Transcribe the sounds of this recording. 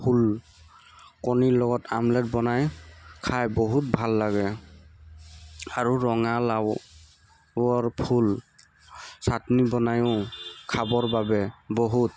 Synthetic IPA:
pʰul | kɔniɹlɔɡɔtamlɛt̚bɔnajkʰajbɔɦut̚bʱalːaɡɛ | aɹuɹɔŋalaw | ɔɹpʰul | satnibɔnajʊ̃kʰabɔɹbabɛbɔɦut

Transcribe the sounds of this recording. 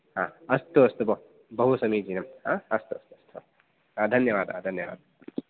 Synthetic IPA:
ɦaːɐst̪uɐst̪ubɐ | bɐɦusɐmiːd͡ʒinɐmɦaːɐst̪uɐst̪uɐst̪ʰuɐ | ad̪ʱɐnjɐʋaːd̪ɦa̰d̪ʱɐnjɐʋa̰ːd̪̚

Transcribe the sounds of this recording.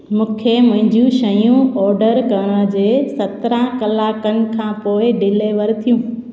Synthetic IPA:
mũːkʰemʊ̃ɦɪ̃ɲd͡ʑjũʃɐjũɔːɾɖəɾkəñəd͡ʑeːsɐt̪ɾãkɐlaːkənɪ̆kʰãːpoːɪɖɪleːʋəɾt̪ʰijũː

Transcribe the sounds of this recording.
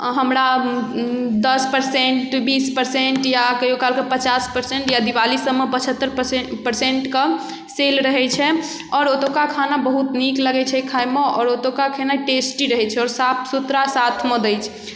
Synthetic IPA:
ɦəmɾa | d̪əspəɾsẽɳʈbispəɾseɳʈjakəjokalkepət͡ʃaspəɾseɳʈjad̪iwalisəbmːepət͡ʃʰət̪ːəɾppəɾseɳʈke | selɾəɦɛt͡ʃʰɛ | ɔːɾot̪okakʰanabəɦut̪nikləɡɛt͡ʃʰɛkʰajmeɔːɾot̪okakʰenaiʈesʈiɾəɦɛt͡ʃʰɛɔːɾsat̪sut̪ɾasat̪ʰmɔd̪əjt͡ʃʰɛ̥

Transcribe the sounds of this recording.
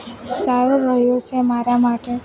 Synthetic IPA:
saɾoɾəɦjot͡ʃʰemaɾamaʈe

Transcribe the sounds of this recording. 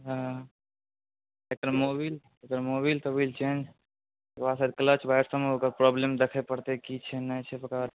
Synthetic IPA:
ɦə | ekəɾmobil | ekəɾmoβilt̪əbilt͡ʃend͡ʒ̪ | basad̪kələt͡ʃbajɾsəmeokəɾpɾɔblemd̪ekʰɛpəɾt̪ekit͡ʃʰɛnat͡ʃʰɛpəkaɾ

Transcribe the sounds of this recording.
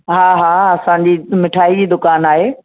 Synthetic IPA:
ɦaːɦaːɐsãɲ̆d͡ʑiːmɪʈʰaːid͡ʑiːd̪ʊkaːnaːɦeː

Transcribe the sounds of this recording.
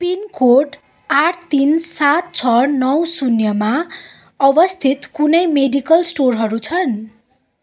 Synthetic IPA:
pinkoɖ | aʈʰt̪insat̪̚t͡sʰʌnʌwsunjʌma | ʌbʌst̪ʰit̪kunʌjmeɖikʌlsʈorɦʌɾut͡sʰʌn

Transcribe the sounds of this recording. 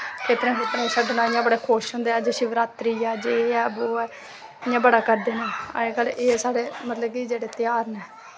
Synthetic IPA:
kʰeːt̪ɾẽːkʰeːt̪ɾãʃəɖnãːɪjãːbəɽeːkʰoːʃɦʊ̃nd̪eːɛːd͡ʒeːʃiʋɾaːt̪ɾiːaːd͡ʒeɛːboːɛː | ɪjãːbəɽaːkəɾd̪eːnaːə̰ẽːkəleːsaːɽeːmət̪ləb̚kid͡ʒeːɽeːt̪ɪjaːɾnɛː

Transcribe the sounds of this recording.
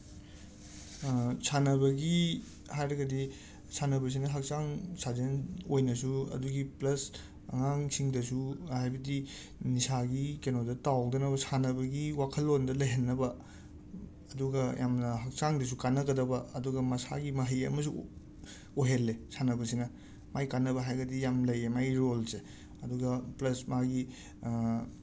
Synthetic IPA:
sʰanɐbɐɡi | hajɾɐɡɐdi | sʰanɐbɐs̬inɐɦɐk̚saŋsazenojnɐs̬uɐ̰duɡiplɐs | ɐ̰ŋaŋsiŋdɐs̬uhajbɐdi | nisaɡikenodɐtawdɐnɐbɐsʰanɐbɐɡiwakʰɐlːondɐlɐjɦenːɐbɐ | ɐduɡɐjamnɐɦɐk̚saŋdɐs̬ukanːɐɡɐdɐbɐɐduɡɐmɐsa̰ɡimɐɦəjɐ̰mɐs̬u | oɦelːesanɐbɐsinɐ | majkanːɐbɐɦajɡɐdijamlɐjemajɾolse | ɐduɡɐplɐsmaɡi

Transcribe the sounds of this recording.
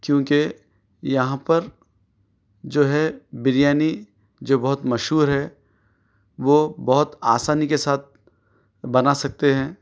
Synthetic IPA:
kjõːke | jɐɦãpɐɾ | d͡ʒoːɦɛbɪɾjaːni | d͡ʒoːbɐɦʊt̪mɐʃɦuːɾɦɛː | ʋoːbɐɦʊt̪aːsaːnikesaːt̪̚ʰ | bɐnasɐk̚t̪eɦɛ̃ː

